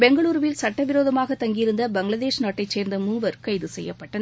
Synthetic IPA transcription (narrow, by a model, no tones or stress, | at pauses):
bɛŋɡɐɭuːɾʋɪlsɐʈːɐʋɪɾoːðɐmaːɣɐt̪ːɐŋɡɪjɪɾɯnd̪ɐbɐŋɡɭɐðeːʂnaːʈːɐɪt͡ʃeːɾnd̪ɐmuːʋɐɾkɐɪðɯsɛjːɐpːɐʈːɐn